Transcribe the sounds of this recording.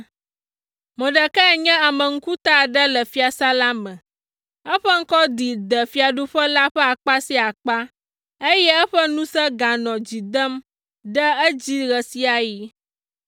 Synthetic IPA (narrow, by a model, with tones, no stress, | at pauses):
mə̃˨ɖə˨kɛ˦˨ɲɛ̃˦a˨mə˨ŋ̩˦ku˦t̪a˦˨ɖə˦lə˨fi˨a˨sa˦la˦mɛ̃˨ | ɛ˦ɸə˦ŋ̩˦kɔ˦d̪i˨d̪ə˨fi˦a˨ɖo˦ɸə˦la˦ɸɛ˦a˨k͡pa˦si˦a˨k͡pa˦ | e˦jɛ˦ə˦ɸə˦nũ˦sɛ˦ɡa˨nɔ̃˨d͡ʑi˨d̪ə˦m | ɖɛ˦ə˦d͡ʑi˦ɣə˨si˦a˨ji˦